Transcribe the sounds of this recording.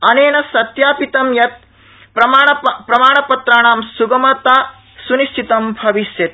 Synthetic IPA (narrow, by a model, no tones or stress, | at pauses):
ɐneːnɐsɐt̪jaːpit̪ɐmjɐt̪̚ | ɾɐmaːɐpɾɐmaːɳɐpɐt̪ɾaːɳaːmsuɡɐmɐt̪aː | sunisʈʰit̪ɐmbʱɐʋiʃjɐt̪̚